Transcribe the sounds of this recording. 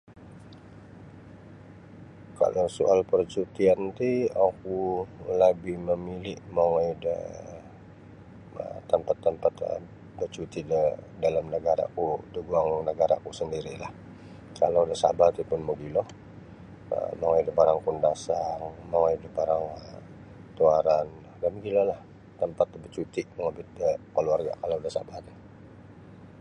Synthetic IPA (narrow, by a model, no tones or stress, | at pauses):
ka̰lowsuʔalpərt͡ʃut̪iant̪iakuləbɪhməmilɪʔmaŋajdə̰ | ə̰t̪əmpat̪ːəmpat̪ə̰ | bərt͡ʃut̪idədalamnəɡaɾa̰kudəɡuaŋnəɡaɾa̰kusəndiɾilah | kalodasa̰bat̪ipʊnmuɡilɔh | ə̰moŋaidəbaɾaŋkundasaŋmoŋaidəbaɾaŋə | t̪uaɾan | danɡilalah | t̪əmpat̪̚bət͡ʃut̪iʔməŋabɪt̪̚dəkəluarɡa̰kalodasa̰bat̪ə